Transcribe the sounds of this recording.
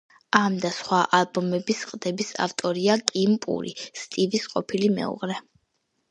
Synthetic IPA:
amd̪asχwaʔalˠbɔmɛbisqʼd̪ɛbisa̰ft̪ʼɔɾiakʼimpʼṵɾḭst̪ʼivisqʼɔpʰilimɛ̰ṵʁɾɛ

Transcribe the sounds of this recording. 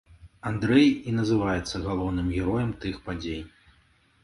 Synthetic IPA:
and̪ɾɛjinɐzɨvajɛt̪sːɐɣalˠɔwnɨmɣʲɛɾɔjɛmt̪ɨxpad͡zʲej

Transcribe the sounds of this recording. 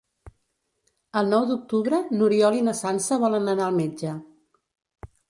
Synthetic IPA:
əlˠnɔwd̪uk̚t̪uβɾənuɾiɔlinəsansəβɔlənənaəlˠmed͡ʒə

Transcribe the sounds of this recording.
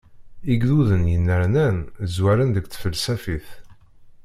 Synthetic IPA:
iɡðuðənjənːəɾnænzwæɾənðəɡθfəlsæfiθ

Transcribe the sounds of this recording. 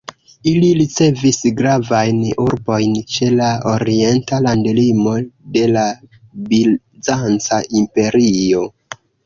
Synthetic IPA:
iliɾit͡se̞visɡɾavajnuɾbo̞jnt͡ʃe̞laoɾie̞ntalandlimo̞de̞la | bil | zant͡saʔimpe̞ɾio̞

